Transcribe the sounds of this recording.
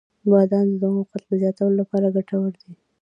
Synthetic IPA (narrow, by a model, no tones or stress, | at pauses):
bɑd̪ɑnd̪əd̪amuqat̪d̪əzjɑt̪awəlolapɑɾaɡaʈʰawəɽd̪i